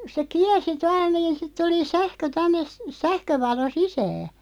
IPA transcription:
se kiɛrsi tuɑl niːn sit tuli sæhkø tænːe s sæhkøʋɑlo sisæː

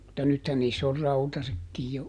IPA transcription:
mutːɑ nythæn niːsː or rɑutɑsekːij jo

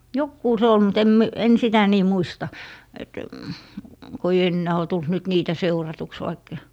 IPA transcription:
jokːuː se ol mut em mi en sitæ niː muistɑ et ko ĕi enːæː o tult nyt niːtæ seurɑtuks ʋɑikːɑ̥

